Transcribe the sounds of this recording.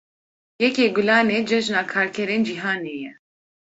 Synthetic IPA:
jɛkeːɡulaːneːd͡ʒɛʒnaːkʰaːɾkʰɛɾeːnd͡ʒiɦaːneːjɛ

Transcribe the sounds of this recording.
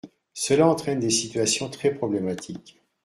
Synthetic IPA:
səlaɑ̃t̪χɛnd̪esit̪ɥasjɔ̃t̪χɛpχɔblɛmat̪ʰik

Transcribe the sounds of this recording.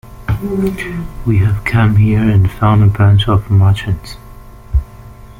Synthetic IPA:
wiɨv̥kʰʌ̃mhiɹɨ̃nfãʊ̃ndəbɹæ̃nt͡ʃʌvmɑt͡ʃɨ̃nz̥

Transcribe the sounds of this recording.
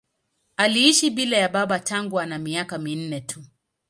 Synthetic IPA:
aliiʃiɓilajaɓaɓataŋɡuanamiakamin̩nɛtʰu

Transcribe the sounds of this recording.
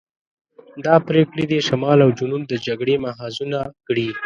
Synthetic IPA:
d̪ɑpɾekɽid̪eʃamɑlawd͡ʒunund̪əd͡ʒaɡɽemaɦɑzunakɽi

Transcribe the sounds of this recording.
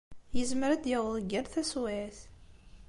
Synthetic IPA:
jəzməɾæd̪jæwəlˤɡəɾθæswaθ

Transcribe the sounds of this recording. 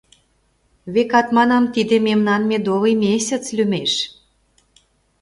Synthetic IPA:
βekɑt̪mɑnɑmt̪id̪ĕmemnɑnmed̪oβijmʲesʲət͡slʲymeʃ

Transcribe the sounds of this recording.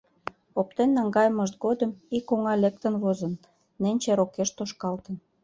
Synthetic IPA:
op̚t̪enːɑŋɡɑjəməʃt̪̚ɡod̪əmikoŋɑlek̚t̪ənβozə̆nː | enʲt͡ɕeɾokeʃt̪oʃkɑlt̪ən

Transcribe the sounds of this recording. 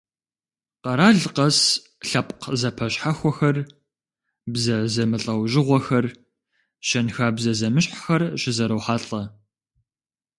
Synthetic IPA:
qɐɾaːɮqɐs | ɬɐpʼqzɐpʰɐɕħaxʷɔxɐr | bzɐzɐmɨɬʼɐwʑɪʁʷɔxɐr | ɕɐnxaːbzɐzɐmɨɕħxɐrɕɪzɐɾɐwħaːɬʼɐ

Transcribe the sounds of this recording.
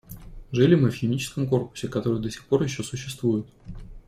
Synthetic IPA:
ʐɨlʲɪmɨfxʲɪmʲit͡ɕɪ̥skəmko̞rpʊ̥sʲɪkɐt̪o̞ɾɨjd̪əsʲɪ̥xpo̞rjɪɕːo̞sʊɕːɪst̪vujɪt̪

